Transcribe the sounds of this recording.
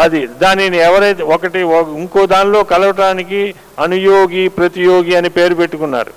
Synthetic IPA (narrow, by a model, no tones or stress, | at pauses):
ɐd̪id̪aːniniɛʋɐɾɐjt̪eokɐʈiiŋko̞ːd̪aːnlo̞ːkɐlɐʋɐʈaːniki | ɐnujoːɡiːpɾɐt̪ijo̞ːɡiɐnipe̞ːɾupeʈːukunːa̰ːɾṵ